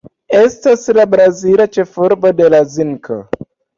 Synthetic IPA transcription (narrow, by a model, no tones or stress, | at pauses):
e̞staslabɾazilat͡ʃe̞fuɾbo̞de̞laziŋkʰo̰